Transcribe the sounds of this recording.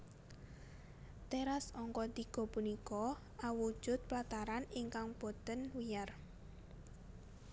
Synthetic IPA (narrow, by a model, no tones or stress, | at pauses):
t̪eɾasɔŋkɔt̪iɡ̥ɔ̤punikɔ | awud̥ʒ̥ʊ̤t̪̚plat̪aɾaniŋkaŋpot̪ənwijar